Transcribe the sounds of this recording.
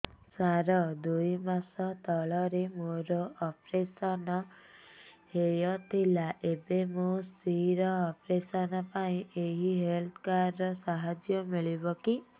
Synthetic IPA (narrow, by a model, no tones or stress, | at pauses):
saɾɔd̪ujmasɔt̪ɔɭɔɾemoɾɔɔpɾesɔnɔ | hejɔt̪ʰilaʔebemũsiɾɔːpɾesɔnɔpaĩʔeɦiɦelt̪ʰɔkaɾːɔsaɦad͡ʒjɔmiɭibɔki